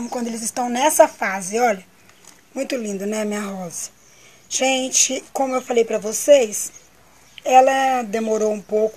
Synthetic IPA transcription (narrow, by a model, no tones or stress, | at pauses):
mʊkwɐ̃nd̪ʊelɪzɪst̪ɐ̃w̃nɛsɐfazɪɔʎɐ | mũj̃t̪ʊlĩnd̪ɐnɛmĩɲɐɦɔzɐ̥ | ʒ̥ẽt͡ʃɪkõmʊewfalejpɾɐvosejs | ɛlɐd̪emoɾowũpowk